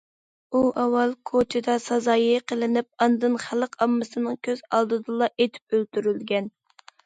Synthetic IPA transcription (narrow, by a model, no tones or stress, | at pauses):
uʔɑwːɑlˠkʰot͡ʃʰɪd̪ɑsɑzɑːjiqʰəlˠɪnɪp̚ɑnd̪ɨnχæləqɑmːɨsɨnɨŋkʲʰøz̥ɑlˠd̪ɨd̪ɨlˠɑʔet̪ʰy̥p̚ølt̪yɾylɡʲɛn